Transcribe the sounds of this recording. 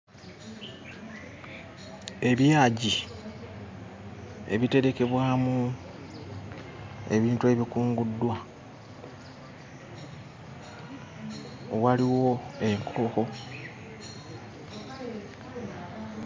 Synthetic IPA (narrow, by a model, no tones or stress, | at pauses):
e̞βjaːɟi | e̞̰βite̞ɾe̞ke̞βwaːmu | e̞̰βiːntue̞βikuːŋɡudːwa | waliwo̞e̞ŋkʰo̞xo̞